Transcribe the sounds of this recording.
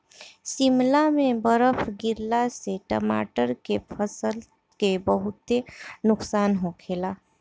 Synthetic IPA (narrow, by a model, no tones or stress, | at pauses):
simlamẽbəɾəpʰɡiɾlaseʈə̰ma̰ʈəɾkepʰəsəl | kebəɦʊt̪ːenʊksaːnɦokʰela